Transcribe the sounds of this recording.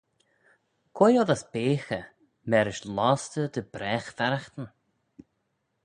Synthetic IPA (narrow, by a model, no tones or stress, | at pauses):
kʰɔjɔðasbeːxə | mɛɾɪʃlɔːst̪əd̪əbɾɛːxfaɾaxt̪ən